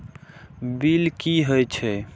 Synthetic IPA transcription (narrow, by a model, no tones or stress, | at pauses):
bilkiɦəjt͡ʃʰɛ